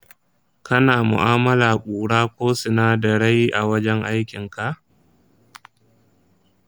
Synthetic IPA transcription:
kɐ˦naː˨mʊ̰˨ʔaː˦mɐ˦laː˨kʷʼuː˨ɽaː˦kʷoː˦sʊ˨naː˦dɐ˨ɽa˦jʔa˨wɐ˦d͡ʒɛ˦ŋʔa˦jkʲɪ˨ŋka˨ʔ

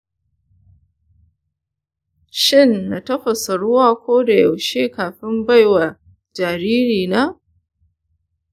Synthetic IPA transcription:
ʃɪ˦˨nːa˨tɐ˦ɸɐ˨sɐ˨ɽʊ˦waː˦kʷoː˦da˨jɐ˨wʃeː˦kaː˨ɸɪ˦mba˦jwa˨ | d͡ʒaː˨ɾiː˦ɾiː˨naː˦

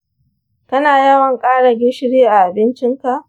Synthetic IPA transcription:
kɐ˦naː˨jɐ˦wɐ˨ŋkʼaː˦ɽa˨ɡʲɪ˦ʃɪ˦ɽiː˦ʔa˨ʔa˨bɪ˦nt͡ʃɪ˦ŋka˨ʔ

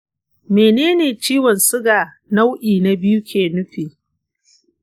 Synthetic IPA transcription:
meː˨neː˦neː˨t͡ʃiː˦wɔ˨nsʊ˦ɡaː˨ | na˦wʔiː˨na˨bɪ˦ju˦kʲʰeː˨nʊ˦ɸiː˨

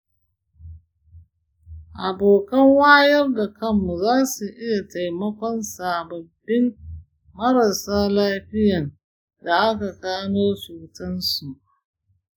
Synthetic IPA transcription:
ʔa˨boː˨kɐ˦ŋwaː˦jɐ˦rda˨kɐ˦mːu˨zaː˦su˨ʔɪ˦ja˨ta˨jmɐ˦kʷɔ˦nsaː˨bɐ˨bːɪ˦m | mɐ˦ɾɐ˨saː˦laː˦ɸɪ˦jɐ˨n | da˨ʔa˦ka˨kaː˦noː˦suː˨tɐ˦nsu˨ʔ

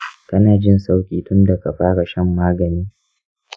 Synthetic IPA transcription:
kɐ˦naː˨d͡ʒɪ˦nsa˦wkʲʼiː˨tʊ˦nda˨ka˨ɸaː˦ɽa˨ʃɐ˦˨mːaː˦ɡɐ˨niː˦

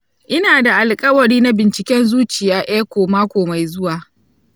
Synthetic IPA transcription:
ʔɪ˦naː˨da˨ʔa˨lkʼɐ˦wɐ˨ɾiː˦na˦bɪ˨nt͡ʃɪ˨kʲɛ˦nzuː˦t͡ʃɪ˨jaː˦ʔeː˦kʷoː˨maː˦kʷoː˨ma˨jzʊ˦waː˨

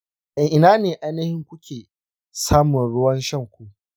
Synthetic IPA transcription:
ʔa˨ŋʔɪ˨naː˦neː˨ʔa˦jnɐ˦hɪ˦ŋkʷʊ˦kʲʰeː˨ | saː˦mʊ˨nɽʊ˦wɐ˦nʃɐ˦˨ŋkʷu˦ʔ

